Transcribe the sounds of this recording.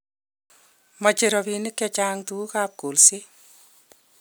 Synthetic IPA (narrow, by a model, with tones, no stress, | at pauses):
mɔ˨t͡ʃe˨ɾɔ˨pi˨nɪ˦kːɛ˦t͡ʃaŋtu˦kap̚ko˨lsi˦